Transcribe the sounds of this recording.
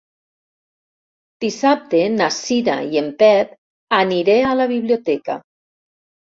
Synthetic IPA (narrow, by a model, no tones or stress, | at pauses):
d̪̥isap̚t̪enasina̰iempɛp̚ | aniɾealaβiβliot̪ɛka̰